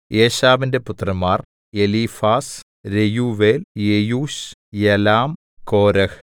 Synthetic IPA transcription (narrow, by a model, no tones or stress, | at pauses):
ʔeːɕaːʋinde̞put̪ːrɐmːaːr | elifaːs | ɾejuːʋeːljejuːɕjelaːm | ko̞ːɾɐh